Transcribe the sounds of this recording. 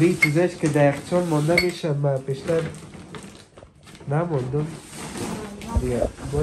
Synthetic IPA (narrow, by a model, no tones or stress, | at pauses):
ɾit͡ʃzaʃked̪aaqt͡ʃɔnmɔnd̪ameʃamapeʃt̪aɾ | namɔnd̪ʊm | d̪ɪɡamɔ